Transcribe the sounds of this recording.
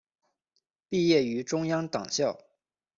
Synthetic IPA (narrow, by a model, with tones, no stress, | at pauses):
pi˥˧jɛ˥˩y˧˥ʈ͡ʂʊ˥ŋjɑ˥ŋt̪ɑ˨˩ŋɕjɑ˥˩ʊ